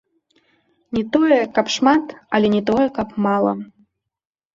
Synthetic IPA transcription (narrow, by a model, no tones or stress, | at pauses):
nʲɛt̪ɔjɛkɐpʂmat̪ɐlʲɛnʲɛt̪ɔjɛkɐpmalˠɐ̰